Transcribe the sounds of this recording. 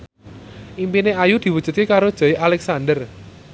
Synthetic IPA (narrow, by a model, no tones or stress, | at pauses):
ʔimpineajud̪̥i̤wud̥ʒ̥ṳt̪̚kekaɾod̥ʒ̥ɔ̤ialɛksand̪ər